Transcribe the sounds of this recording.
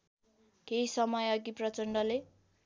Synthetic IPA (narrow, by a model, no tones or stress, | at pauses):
keisʌmʌjʌɡiprʌt͡sʌɳɖʌle